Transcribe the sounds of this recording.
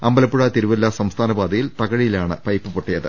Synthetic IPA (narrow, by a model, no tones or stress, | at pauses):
ɐmbɐlɐpːuɻɐt̪iɾuʋɐlːɐsɐmst̪ʰaːnɐbaːd̪ɐjilt̪ɐɣɐɻijilaːɳɨpɐjpːɨpoʈːijɐðɨ̰